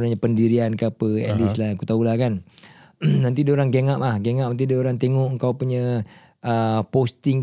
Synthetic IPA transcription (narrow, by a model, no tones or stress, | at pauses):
ɾaɲapəndiɾiankapəɛ̰lislaakut̪aulahkan | nant̪idaoɾaŋɡeŋaʔlahɡeŋaʔant̪̬idaoɾaŋt̪eŋɔʔəŋkawpuɲə | əpost̪ɪŋ